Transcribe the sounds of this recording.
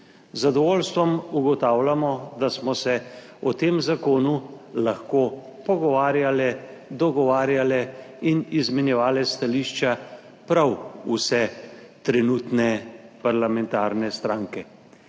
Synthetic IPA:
zad̪ɔʋoːlst̪ʋɔmuɡɔt̪aːwlamɔd̪asmɔsɛ | ɔt̪eːmzakoːnu | laxkoː | pɔɡɔʋaːɾjalɛ | d̪ɔɡɔʋaːɾjalɛ | inizmɛnjɛʋaːlɛst̪aliːʃt͡ʃa | pɾawusɛt̪ɾɛnuːt̪nɛpaɾlamɛnt̪aːɾnɛst̪ɾaːŋkɛ

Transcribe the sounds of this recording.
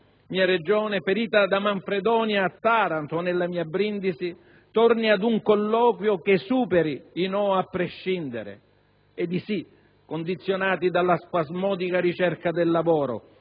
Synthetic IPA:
miːaɾed͡ʒɔːnɪfeɾiːt̪ad̪amaɱfɾed̪ɔːnjaːt̪ːaːɾant̪onelːamiːabɾind̪isi | t̪ɔrniad̪uŋkɔlːɔːkwjokesuːpɛɾiːnɔapːɾeʃːind̪ɪɾɪ̰ | ɛd̪isi | kond̪it̪sːjonaːt̪id̪alːaspazmɔːd̪ikaɾit͡ʃɛrkad̪ɪlːavɔːɾo̰

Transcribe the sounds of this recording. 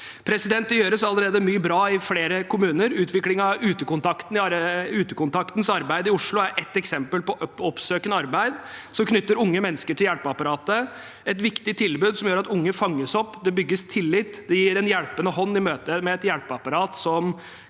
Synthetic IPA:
pʰɾɛsɪd̪ɛnt̪ɪjøːɾəsɑlːəɾeːd̪əmyːəbɾɑːɪfleːɾəkʰʊmʉːnəɾʉːt̪ʰʋɪklɪŋɑʉːt̪əkʊnt̪ʰɑkt̪n̩ɪɑʉːt̪əkʊnt̪ʰɑkt̪n̩sɑɾbæɪd̪əɪʊʂɭʊæɾʔɛt̪ːɛksɛmpəlpɔʔɔpsøːkənəɑɾbæɪd̪sɔmkʰnʏt̪ːəɾʊŋːəmɛnːəskəʈʰɪljæɽpɑpɑɾɑːt̪ə | ɛt̪ʋɪkt̪ɪt̪ʰɪlbʉːd̪sɔmjøːɾɑt̪ʊŋːəfɑŋːəsɔpːd̪ɛbʏɡːəst̪ʰɪlːɪt̪ːd̪ɛjiːɾɛnjæɽpənəhɔnːɪmøːt̪əmɛɛt̪jæɽpɑpɑɾɑːt̪sɔm

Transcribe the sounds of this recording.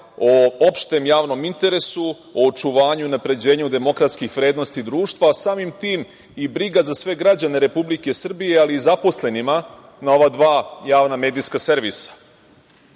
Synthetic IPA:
oopʃt̪e̞mjaːʋno̞mint̪e̞ɾe̞su | oːt͡ʃuʋaːɲunapɾe̞d͡ʑe̞ːɲud̪e̞mo̞kɾat̪skixʋɾe̞ːd̪no̞st̪id̪ɾuːʃt̪ʋasaːmimt̪iːm | ibɾiɡazasʋe̞ɡɾad͡ʑaneɾe̞publike̞sr̩bije̞aliːzapo̞sle̞nima | nao̞ʋad̪ʋaːjaːʋname̞ːd̪iskase̞ɾʋisḁ

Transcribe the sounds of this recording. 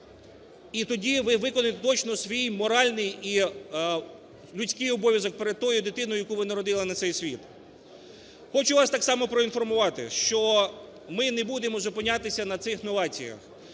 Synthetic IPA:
it̪ɔdʲiʋɪʋɪkɔnɪt̪et̪ɔt͡ʃnɔsʋʲijmɔɾɑlʲnɪji | lʲʊsʲkɪjɔbɔʋʲjɐzɔk̚peɾed̪̚t̪ɔjʊd̪ɪt̪ɪnʊjʊjɐkuʋɪnɐɾɔd̪ɪlˠɪnɐt̪sɛjsʲʋʲit̪ | xɔt͡ʃʊʋɑst̪ɑksɑmɔpɾɔinfɔrmʊʋɑt̪ɪ̰ʃt͡ʃɔ | mɪnebud̪emɔzʊpɪnʲːat̪ɪsʲɐnɐt̪sɪxnɔʋɑt͡sʲḭjɐ̰x

